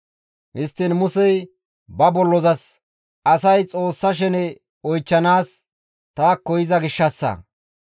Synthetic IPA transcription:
hɪst̪ːɪnmʊsɛj | bɐbɔlːɔzɐs | ɐsɐjt͡sʼo̞ːsːɐʃ̬ɛnɛ | ɔjt͡ʃːɐnaːs | t̪aːkːɔjɪzɐɡɪʃːɐsːɐ̰

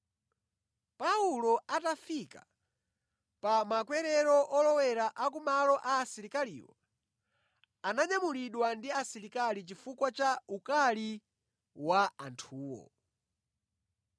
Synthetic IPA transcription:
paulɔatafika̰ | pamakwɛɾɛɾɔʔɔlɔwɛɾaʔak̬umalɔʔaːsiɾikalḭwa̰ | anaɲamuliɗwandiasiɾikalit͡ʃifukwat͡ʃaukali | waantʰuːwɔ̰

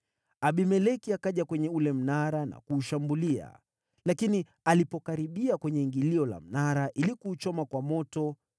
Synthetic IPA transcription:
aɓimɛlɛkiakaʄakwɛɲɛulɛm̩naɾana̰kuːʃambulia̰ | lakini | alipɔkaɾiɓiakwɛɲɛŋɡiliɔla̰m̩naɾaʔilikuːt͡ʃɔmakwamɔtɔ

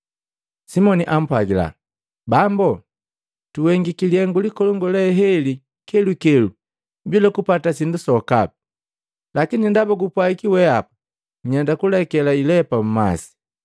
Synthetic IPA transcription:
simɔniʔam̩pwaɡila̰ | bambɔ | tuwɛŋɡikiliɛŋɡulikɔlɔŋɡɔlɛɦɛli | kɛlukɛlu | bilɔkupatasindusɔkapi̥ | lakinindabɔɡupwaikiwɛapu̥ | ɲandakulɛkɛlailɛpam̩ma̰si̥

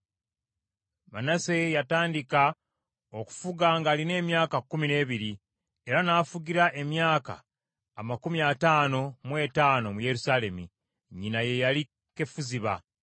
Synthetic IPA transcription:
ma̰nase̞jataːndika | o̞ku̥fuɡaŋɡaːline̞ːmjaːkakːumine̞ːβiɾi | e̞ɾanaːfuɟiɾaʔe̞mjaːka̰ː | makumiataːno̞mwe̞ːtaːno̞muje̞ɾusaːle̞mḭ | ɲinaje̞jali | ke̞fuziβa̰

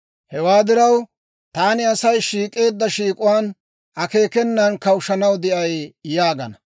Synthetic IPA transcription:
hɛwaːd̪ɪɾɐw | t̪aːnɪɐsɐjʃiːkʼe̞ːd̪ːɐʃiːkʼʊwaːn | ʔɐke̞ːkɛnːɐnkɐwʊʃɐnɐwd̪ɪʔɐjjaːɡɐnɐ

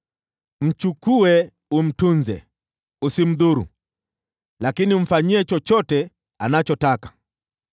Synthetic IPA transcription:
m̩t͡ʃukuɛ | um̩tunzɛ̰ | usim̩ðuɾṵ | lakiniɱ̩faɲiɛt͡ʃɔt͡ʃɔtɛ | anat͡ʃɔtakḁ

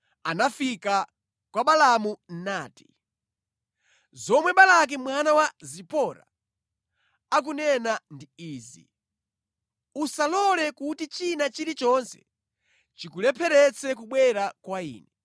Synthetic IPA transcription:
anafika | kwaɓalamun̩naːti̥ | zɔmwɛɓalak̬imwanawazipɔɾa̰ | ak̬unɛnandiiːzḭ | usalɔlɛkutit͡ʃinat͡ʃiɾit͡ʃɔnsɛ̰ | t͡ʃikulɛpʰɛɾɛt͡sʰɛkuɓwɛɾakwaḭːnɛ

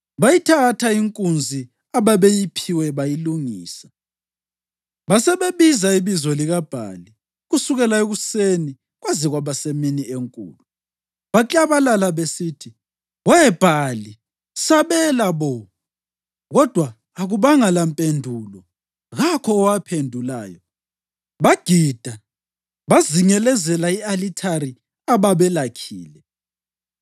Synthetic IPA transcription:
βajitʰatʰaiŋkʼund͡zʱi | aβaβejipʰiwɛβajiluŋiːsḁ | βasɛβeβizaiβizɔliɣab̥ʱa̰li | ɣusuɣɛlaeɣuseni | ɣwaziɣwaβaseminieŋkʼṵːlu | βat͡ɬʼaβalalaβesiːtʰi | wɛb̥ʱali | saβɛlaβɔ | ɣɔd̥ʱwaː | ɣuβaŋalampʼendʱulɔ | ɣakʰɔːwapʰendʱula̰ːjɔ̰ | βaɡ̥ʱid̥ʱa | βaziŋɛlɛzɛlaialitʰaɾi | aβaβɛlakʰḭːlɛ

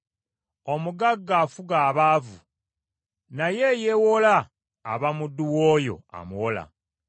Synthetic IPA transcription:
o̞muɡaɡːaːfuɡaːβaːvu | najejewo̞laː | βamudːuwoːjo̞̰a̰muwola̰

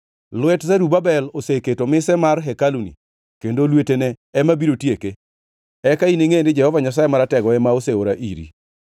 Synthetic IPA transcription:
lwɛtzaɾubabɛloseketomɪsɛmarɦɛkalunḭ | kendolwetenɛːmabiɾotjeke | ɛkaineŋendɪd͡ʒɛhɔvaɲas̬ajemaɾatɛɡɔɛmaoseoɾaʔḭɾḭ

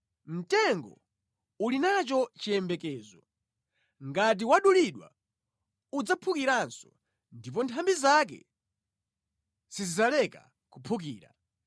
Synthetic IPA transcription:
m̩tɛŋɡɔ | ulinat͡ʃɔt͡ʃiɛmbɛkɛːzɔ | ŋɡat̬iwaɗuliɗwa̰ | ud͡zapʰukiɾansɔ | ndip̬ɔntʰambizak̬ɛ̰ | z̥izizalɛka | kupʰuk̬iːɾa̰

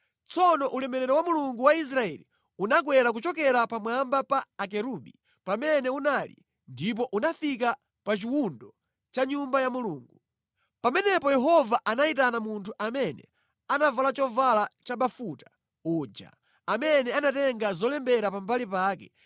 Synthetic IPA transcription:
t͡sɔnɔʔulɛmɛɾɛɾɔwamuluŋɡuwais̬ɾaɛ̰li | unak̬wɛɾak̬ut͡ʃɔk̬ɛɾapamwambapaːk̬ɛɾuɓi | pamɛnɛunalḭ | ndip̬ɔʔunafik̬a | pat͡ʃiwundɔ | t͡ʃaɲumbajamuluːŋɡu | pamɛnɛpɔjɛɦɔvaʔanait̬anamuntʰuʔamɛnɛ | anavalat͡ʃɔvalat͡ʃaɓafutḁ | ud͡ʒa̰ | amɛnɛanatɛŋɡazɔlɛmbɛɾapambalipaːkɛ

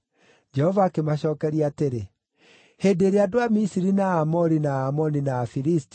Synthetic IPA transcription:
d͡ʒɛhɔvaːkemaɕɔːkɛɾiateɾe | hedeɾeadoamisiɾinaːmɔɾinaːmɔninaːfiɾisti̥

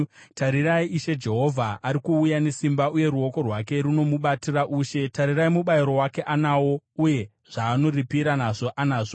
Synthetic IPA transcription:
taɾiraiiʃe̞d͡ʒe̞ɦo̞vʱaʔːɾikuːjane̞simbauje̞ɾuo̞ko̞rwake̞ɾuno̞muɓatiraʔuːʃe̞taɾiraimuɓaiɾo̞wake̞ʔanaːwo̞uje̞ | ʐ̥aːno̞ripiɾanaʐo̞ʔanaːʐo

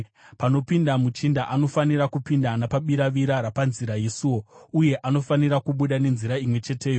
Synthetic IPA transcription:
pano̞pindamut͡ʃindaʔano̞faniɾakupindanapaɓiɾaʋiɾaɾapanziɾajesiwo̞uje̞ʔano̞faniɾakuɓuɗane̞nziɾaimwe̞t͡ʃe̞te̞ːjo

